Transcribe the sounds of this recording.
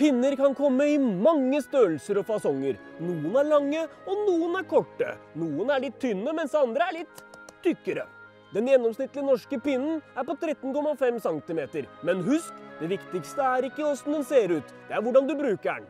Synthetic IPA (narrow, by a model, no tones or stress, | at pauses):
pʰɪnːəɾkʰɑnkʰɔmːəɪmɑŋːəst̪øːlsəɾɔfɑsɔŋːəɾnuːənæɭɑŋːəɔnuːənæɾkʰɔʈːə̰nuːənæɭɪt̪ʰːʏnːəmɛnsɑnd̪ɾəæɭɪt̪ʰːʏkːəɾə̰ | d̪ɛnjɛnɔmsnɪt̪ːlɪnɔʂkəpɪnn̩æɾpɔt̪ʰɾɛt̪ːnkɔmːɑfɛmsɑŋt̪ɪmeːt̪əɾmɛnɦʉskd̪ɛʋɪkt̪ɪkst̪əæɾɪkːəɔsnd̪ɛnseːɾʉːt̪d̪̥ɛæɾʋʊɖɑnd̪ʉbɾʉːkəæ̰ɳ